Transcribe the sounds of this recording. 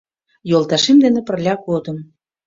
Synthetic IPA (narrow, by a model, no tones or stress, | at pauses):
jolˠt̪ɑʃemd̪enĕpə̆rlʲɑkod̪ə̆m